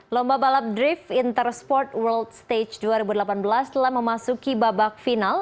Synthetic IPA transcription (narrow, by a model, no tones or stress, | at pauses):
lɔmbabalap̚dɾifint̪ərspɔrt̪wəldt̪st̪et͡ʃduaɾibudəlapanbəlast̪əlahməmasukibabak̚final